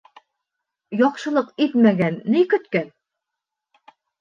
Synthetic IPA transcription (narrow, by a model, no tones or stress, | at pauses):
jɒqʃɤ̆lˠɤqit̪mæɡænːikɵ̆t̪kæn